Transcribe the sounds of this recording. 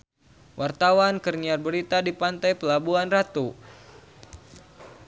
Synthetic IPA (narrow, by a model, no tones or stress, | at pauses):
wʔart̪awankərniarbəɾit̪adipant̪ajpəlabuanrat̪u